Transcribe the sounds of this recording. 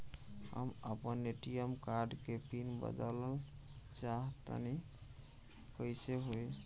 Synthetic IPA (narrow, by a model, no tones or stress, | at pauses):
hə̰məpənːeʈijəmkaɾɖkepinbə̰d̪ələl | t͡ʃaɦt̪ə̰ni | kəjseɦoj